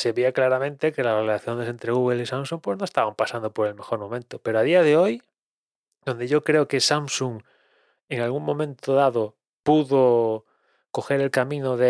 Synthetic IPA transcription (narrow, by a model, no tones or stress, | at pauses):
seβiaklaɾamẽnt̪ekelarelaθjond̪esent̪ɾeɣuɣelisamsuŋpwe̞znoest̪aβampasand̪opoɾe̞lme̞xoɾmõ̞mẽnt̪opeɾoaðiaðeoj | d̪ond̪eʝokɾeokesamsuŋ | eŋalɣuŋmõ̞mẽnt̪oðaðo | puðo | koxeɾe̞lkamĩnoðe